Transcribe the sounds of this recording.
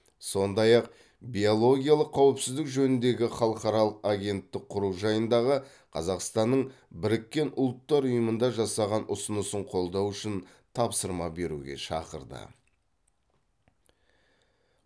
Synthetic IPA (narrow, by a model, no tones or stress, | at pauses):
so̞nd̪ɑjɑq̚ | bʲiolˠo̞ɡʲijalˠəqʰːɑwɪpsɪzd̪ɪkʒɵnɪnd̪e̞ɡʲɪχɑlˠəqɑɾɑlˠəqaɡʲe̞nt̪ːɪk̚qʰʊɾuwʒɑjənd̪ɑʁə | qʰɑzɑqst̪ɑnːəɴbɪɾɪkʲːe̞nʊlˠət̪ːɑɾʊjəmənd̪ɑʒɑsɑʁɑnʔʊsənəsəɴqʰo̞lˠd̪ɑwʏʃɪn | t̪ʰɑpsəɾmɑbe̞ɾṵɡʲe̞̰ʃɑ̰qə̰ɾd̪ə̰